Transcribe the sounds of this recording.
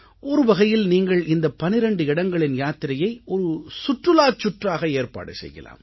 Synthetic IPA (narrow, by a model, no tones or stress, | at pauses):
ʔɔɾɯʋɐɣɐjɪlniːŋɡɐɭɪnd̪ɐpɐnɪɾɛɳɖɯɪɽɐŋɡɐɭɪnjaːt̪ɪɾɐjɐɪɔɾɯsʊʈrɯlaːt͡ʃːʊʈraːɣɐeːɾpa̰ːɽɐsɛ̰jɣɐ̰la̰ːm